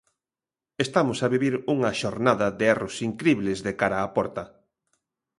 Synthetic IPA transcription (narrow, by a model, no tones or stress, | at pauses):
est̪amʊsaβiβiɾuŋɐʃoɾnaðɐðeɛrʊsiŋkɾiβlɪzðekaɾaːpɔɾt̪ɐ